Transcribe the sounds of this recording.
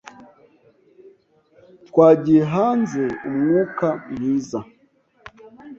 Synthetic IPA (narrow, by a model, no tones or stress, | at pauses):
tkwad͡ʒiɦanzɛṵm̩ŋukam̩hiza